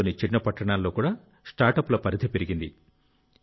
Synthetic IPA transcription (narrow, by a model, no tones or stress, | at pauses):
nit͡ʃinːɐpɐʈːɐɳaːlːo̞ːkuːɽaː | sʈaːɾʈɐpːulɐpɐɾid̪ʰʱɐpe̞ɾiɡind̪i